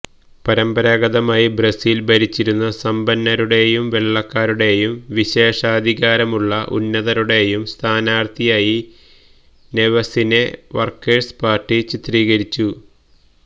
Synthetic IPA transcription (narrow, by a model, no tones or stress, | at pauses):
pɐɾɐmbɐɾaːɡɐðɐmaːjibrɐsiːlbɐɾit͡ɕːiɾunːɐsɐmbɐnːɐɾuɽe̞jumʋe̞ɭːɐkːaːɾuɽe̞jumʋiɕe̞ːʂaːd̪ʱiɣaːɾɐmuɭːɐʔṵnːɐðɐɾuɽe̞jumst̪ʰaːnaːrt̪ʰijaːji | neʋɐsineʋɐrkːespaːrʈːit͡ɕit̪riːɣɐɾit͡ɕːu